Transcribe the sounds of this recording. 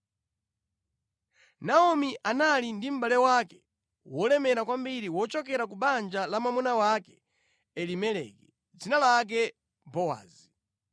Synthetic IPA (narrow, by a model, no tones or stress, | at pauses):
naɔmiʔanalindim̩ɓalɛwaːkɛ̥ | wɔlɛmɛɾakwambiɾiwɔt͡ʃɔk̬ɛɾak̬uɓand͡ʒalamamunawakɛ̥ | ɛlimɛlɛ̰kɛ | d͡zinalak̬ɛ | bɔwa̰ːzi